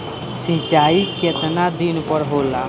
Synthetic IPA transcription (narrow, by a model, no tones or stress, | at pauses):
sĩt͡ʃaiket̪nad̪inpəɾɦola